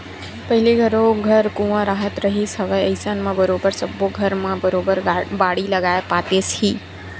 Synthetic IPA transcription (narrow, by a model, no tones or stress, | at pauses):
pəɦiliɡʱəɾoɡʱəɾkũʋãɾaɦət̪ɾəɦisəʋəjəjsanmãbəɾobəɾsəboɡʱəɾmãbəɾobəɾbaɽiləɡajpat̪eshiː